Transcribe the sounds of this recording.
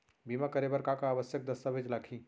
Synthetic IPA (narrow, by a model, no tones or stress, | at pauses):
bimakɐɾebəɾkakaːʋəsjək̚d̪ɐsabʱɪt͡ʃlaːkʰĩː